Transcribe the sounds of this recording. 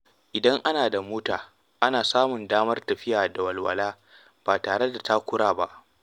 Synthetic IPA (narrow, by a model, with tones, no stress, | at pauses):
ʔɪ˨dɐ˦ŋʔa˦naː˨da˨muː˦taː˨ | ʔa˦naː˨saː˦mʊ˨ndaː˦mɐ˦rtɐ˨ɸɪ˦jaː˨da˨wɐ˨lwɐ˨laː˦ | b̥aː˨taː˨ɽe˦da˨ta˦kʷʊ˦ɽaː˨ba̰˦ʔ